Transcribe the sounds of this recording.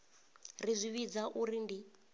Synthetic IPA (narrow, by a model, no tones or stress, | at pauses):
rizʷiβid͡zaʔuɾindi